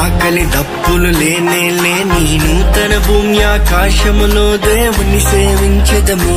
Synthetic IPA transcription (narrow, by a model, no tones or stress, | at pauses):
aːkɐlid̪ɐbːululeːneːleːniːnut̪ɐnɐbʱuːmjaːkaːʃɐmuloːd̪eːʋɐnːiseːʋiɲt͡ʃɐd̪ɐmu